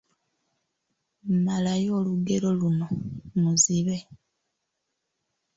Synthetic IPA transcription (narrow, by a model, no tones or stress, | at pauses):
mmalajo̞ːluɡe̞ɾo̞lunomuziβe̞